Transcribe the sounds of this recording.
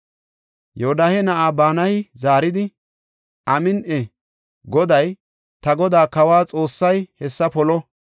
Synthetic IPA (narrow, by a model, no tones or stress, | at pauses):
jɛɔd̪aːhɛnɐʔaːbaːnɐhɪzaːɾɪd̪ɪ | ʔɐmɪnʔɛ | ɡɔd̪ɐj | t̪ɐɡɔd̪aːkɐwaːt͡sʼo̞ːsːɐjhɛsːɐpɔlɔ